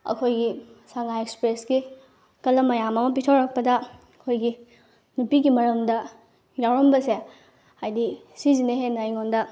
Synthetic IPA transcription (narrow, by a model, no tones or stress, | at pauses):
ɐ̰kʰojɡisaŋajekspɾesɡi | kɐlːɐmɐjamɐmɐp̬itʰowɾɐk̚pɐdɐ | kʰojɡi | nupiɡimɐɾɐmdɐ | ɡawɾɐmbɐse | hajdi | sizineɦenajŋondɐ